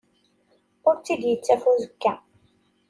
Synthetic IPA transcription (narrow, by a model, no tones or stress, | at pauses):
ʊɾt͡sːid̪jət͡sːæfuzəkːæ